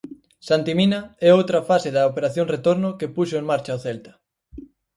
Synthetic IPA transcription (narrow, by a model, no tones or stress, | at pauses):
sant̪iminɐɛowt̪ɾɐfaseðɐopeɾaθjoŋret̪oɾnʊkepuʃʊeŋmaɾt͡ʃaoθɛlt̪ɐ̥